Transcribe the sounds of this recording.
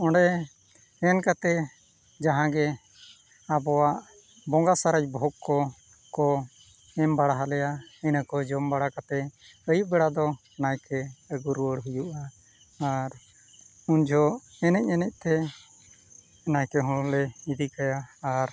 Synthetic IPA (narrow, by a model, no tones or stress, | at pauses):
ɔ̃ɖɛ | ɛnkat̪ɛ | d͡ʒaɦãɡɛ | abɔwaʔ | bɔ̃ŋɡasaɾacbʱɔɡkɔ | kɔ | ɛmbaɽaɦalɛjaɛnakɔd͡ʒɔmbaɽakat̪ɛəjuʔ̚bɛɽad̪ɔ | najkɛəɡuɾwəɽɦujuʔaː | ɾ | uɲd͡ʒʱɔ | ɛnɛc̚ˀɛnɛc̚ˀt̪ɛ | najkɛɦɔ̃ɔlɛid̪ikajaːɾ